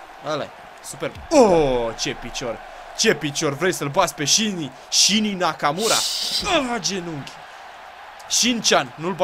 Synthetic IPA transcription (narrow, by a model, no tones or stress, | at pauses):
əla̰j | superbot͡ʃepit͡ʃo̞r | t͡ʃe̞pit͡ʃo̞rvɾejsəlbat̪sʲpe̞ʃini | ʃininakamuɾa̰ad͡ʒe̞nuŋɡʲ | ʃint͡ʃanːulb